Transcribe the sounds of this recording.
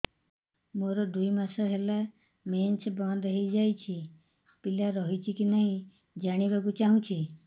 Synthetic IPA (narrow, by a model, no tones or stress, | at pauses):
moɾɔd̪ujmasɔɦela | ment͡ʃbɔnd̪ɔɦejd͡ʒajt͡ʃʰi | pilaɾɔɦit͡ʃʰikinaɦĩ | d͡ʒaɽ̃ibakut͡ʃaɦũt͡ʃʰi